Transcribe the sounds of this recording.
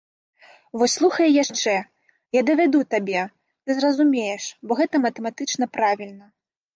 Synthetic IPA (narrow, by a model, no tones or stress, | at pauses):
vɔsʲslˠuxɐjɛjaʂt͡ʂɛ | jad̪ɐvʲad̪ut̪abʲɛ | t̪ɨzrɐzumʲejɛʂbɔɣɛt̪ɐmɐt̪ɛmat̪ɨt͡ʂnɐpɾavʲilʲnɐ